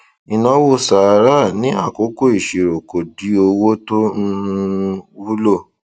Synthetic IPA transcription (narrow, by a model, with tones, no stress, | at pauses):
i˨nã˨˦wo˦˨sa˨˦ɾa˦nĩ˨˦a˦˨ko˨˦ko˦˨i˦˨ʃe˨ɾo˨ko˨di˨˦o˧wo˦to˦n̩˧ | wu˦lo˦˨